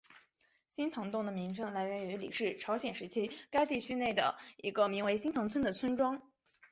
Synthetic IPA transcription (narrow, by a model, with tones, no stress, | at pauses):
ɕi˥nt̪ʰɤ˧˥ŋt̪ʊ˥˩ŋd̪ə˩mi˧˥ŋʈ͡ʂʰɤ˥ŋla˧˥ɪɥɛ˧˥ny˧˥lḭ˨˩ʂɻ̩˥˩ʈ͡ʂʰɑ˧˥ʊɕjɛ˨˩nʂɻ̩˧˥t͡ɕʰi˥ka˥ɪt̪i˥˩t͡ɕʰy˥ne˥˩ɪd̪ə̰˩ḭ˧˥ɡə˧mi˧˥ŋwe˧˥ɪɕi˥nt̪ʰɤ˧˥ŋt͡sʰwə˥nd̪ə˨t͡sʰwə˥nʈ͡ʂwɑ˥ŋ